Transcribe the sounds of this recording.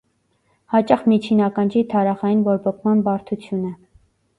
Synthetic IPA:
hɑt͡ʃɑχmit͡ʃʰinɑkɑnd͡ʒit̪ʰɑɾɑχɑjinvɔɾbɔkʰmɑnbɑɾt̪ʰut͡sʰjunə

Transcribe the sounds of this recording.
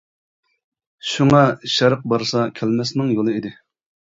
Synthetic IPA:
ʃuŋɑʃɑɾəq̚bɑɾsɑkʲʰɛlmɛsnɪŋjolˠɨid̪ɪ

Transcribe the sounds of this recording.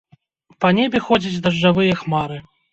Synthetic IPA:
pɐnʲebʲɛxɔd͡zʲid͡zʲd̪ɐʐːavɨjɐxmaɾɨ

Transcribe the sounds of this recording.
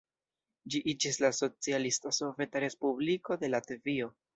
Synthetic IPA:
d͡ʒiʔid͡ʒislaso̞t͡sialistaso̞ve̞taɾe̞spubliko̞de̞latvio̞

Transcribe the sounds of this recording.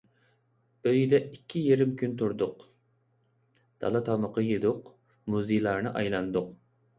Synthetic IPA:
øjid̪ɛikʲʰːijeɾɪmkʲʰynt̪ʰuɾd̪ʊq | d̪̥ɑ̰lˠɑt̪ʰɑməqʰəjed̪ʊq | muzijlˠɑɾnɨʔɑjlˠɑnd̪ʊq

